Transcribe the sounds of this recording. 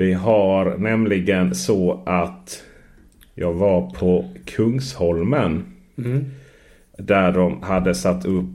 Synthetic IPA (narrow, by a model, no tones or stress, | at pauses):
vɪɦaɾnɛmlɪɡənsɔʔat̪ | jɑːɡvaɾpʰɔkʰɵŋshɔlmən | d̪æɖɔmhad̪ːəsat̪ʰːɵpː